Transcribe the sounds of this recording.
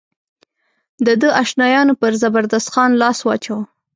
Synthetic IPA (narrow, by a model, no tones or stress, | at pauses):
d̪əd̪əʔaʃnɑjɑnopəɾzabaɾd̪ast̪xɑnlɑswɑ̰t͡ʃaw